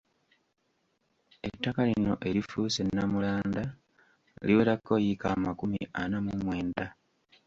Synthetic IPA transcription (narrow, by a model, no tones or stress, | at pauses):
e̞̰tːakalino̞̰ʔe̞ɾifuːse̞nːamulaːnda | liweːɾakːo̞jikaːmakumiʔanamumwe̞ːnda